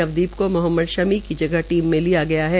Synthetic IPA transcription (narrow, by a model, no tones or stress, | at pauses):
ɐʋd̪iːbkomʊɦəmːəd̪ʃɐmikid͡ʒɐɡəɦʈiːmːẽlijaɡɐjaɦɛ